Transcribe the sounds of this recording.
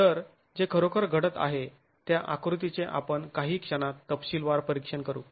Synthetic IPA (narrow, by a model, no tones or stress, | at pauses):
t̪əɾ | d͡ʑekʰəɾokʰəɾɡʱəɽət̪a̰ɦe | t̪jaʔakɾut̪̬it͡seʔa̰pəɳkaɦiːkʂənat̪ːəpɕiːlʋaɾpəɾikʂəɳkəɾṵː